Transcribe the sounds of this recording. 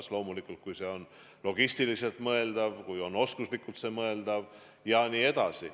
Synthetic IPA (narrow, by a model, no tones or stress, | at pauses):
slo̞ːmulikːˑult̪̚kujse̞o̞n | lo̞ɡ̥ist̪ilise̞lt̪mɤe̞ld̪̥ɑvkujo̞no̞skuslikːˑult̪se̞mɤe̞ld̪ɑv | jɑniːe̞d̪̥ɑsḭ